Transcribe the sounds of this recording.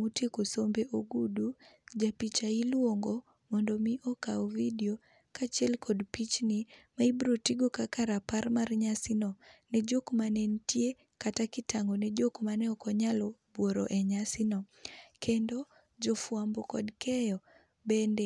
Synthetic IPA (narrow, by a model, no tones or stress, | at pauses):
utekosombeʔoɡudud͡ʒapit͡ʃailwoŋɡo | mɔndɔmiʔɔkaɔvidio | kat͡ʃɛlkʰɔdpit͡ʃnimaibɾotiɡokakaɾaparmarɲasɪnɔnɛd͡ʒokmanɛntje | katakɪtaŋɡonɛd͡ʒokmanɛɔkɔɲalɔbwoɾɔ̰ʔɛɲasɪnɔkendo | d͡ʒɔfwambɔkɔ̰dkɛjɔ | bɛndɛ